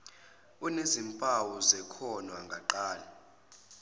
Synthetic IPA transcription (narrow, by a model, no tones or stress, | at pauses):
unezimpʼawɔzɛkʰɔnwaŋɡʱaǃaːlɛ